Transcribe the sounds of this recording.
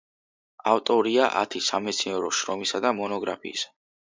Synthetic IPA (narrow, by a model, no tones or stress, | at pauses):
aft̪ʼɔɾiaʔa̰t̪ʰisamɛt̪sʰnɛɾɔʃɾɔmisad̪amɔnɔɡɾapʰḭːs